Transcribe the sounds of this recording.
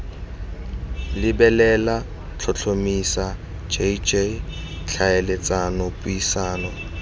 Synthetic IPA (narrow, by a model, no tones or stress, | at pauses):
lɪbɛlɛla | t͡ɬʰɔt͡ɬʰomisa | d͡ʒed͡ʒe | t͡ɬʰaelɪt͡sanɔpʼuisaːnɔ